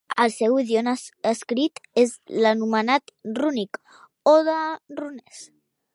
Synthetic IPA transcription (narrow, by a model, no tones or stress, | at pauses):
əlˠsɛwiðionəəskɾit̪ezlənumənat̪runik | oðərunɛs